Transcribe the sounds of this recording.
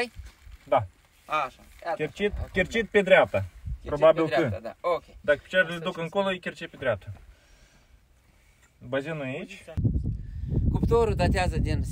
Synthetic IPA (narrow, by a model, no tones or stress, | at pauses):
d̪a | aakʲet͡ʃit̪̚kʲert͡ʃit̪̚ped̪ɾʲeap̚t̪apɾobabʲilˠkɨokʲed̪akpi̥t͡ʃaɾʲezd̪ukɨŋkolˠojikʲert͡ʃepʲed̪ɾʲeap̚t̪ʰa | bazʲinuait͡ʃʲ | kupt̪oɾud̪at̪eazəd̪in